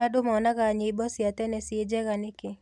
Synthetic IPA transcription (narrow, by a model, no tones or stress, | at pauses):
adʊmɔnaɡaɲɪbɔsjat̪ɛnɛsed͡ʒɛɡanɪkɪ